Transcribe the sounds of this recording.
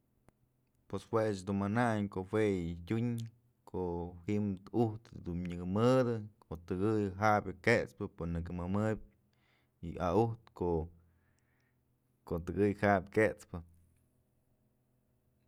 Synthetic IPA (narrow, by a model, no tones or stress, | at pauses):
pweswet͡ʃd̪unmanaɲkoʔhwejtʲuɲ | kʰoʔhiʔmuht̪d̪unɲɨɡɨmɨd̪ɨkʰoʔt̪ɨɡɨjɦabʲɨket͡spɨponɨkɨmɨmɨb̚ʲ | ḭa̰uht̪koʔ | kot̪ɨɡɨjhabʲket͡spɨ